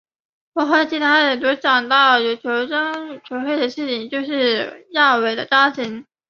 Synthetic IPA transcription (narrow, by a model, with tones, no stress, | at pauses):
wɔ˨˧˥xa˥˩t͡ɕʰi˧˥t̪ʰa˥ə˨˩t̪wɔ˥t͡ɕjɑ˨˩ŋt̪ɑ˥˩ʊjo˧˥ʊt͡ɕʰjo˧˥ʊʈ͡ʂɑ˥ŋt͡ɕʰjo˧˥xwe˥˩ɪd̪ə˩ʂɻ̩˥˩t͡ɕʰi˨˩ŋt͡ɕjo˥˧ʊʂɻ̩˥˧ja˥˩we˨˩ɪd̪ə̰˦ʈ͡ʂa˥t̪ʰi˧˥ŋ